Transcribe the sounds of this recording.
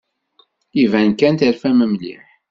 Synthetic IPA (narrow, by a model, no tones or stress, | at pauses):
ivænkænt̪əɾfæməmlḭħ